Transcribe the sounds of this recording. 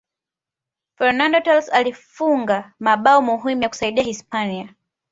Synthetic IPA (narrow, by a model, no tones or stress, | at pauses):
fɛɾnandɔtɛlsalifuŋɡamaɓaɔmuɦimujaku̥saiɗiahispania